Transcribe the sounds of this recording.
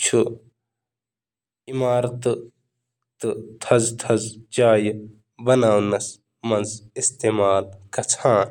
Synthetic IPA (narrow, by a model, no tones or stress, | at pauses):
t͡ʃʰu | imaːɾt̪ | t̪ɨt̪ʰɐzt̪ʰɐzd͡ʒaːj | bɐnaːwnɐs | mɐnzist̪eːmaːlkɐt͡sʰãː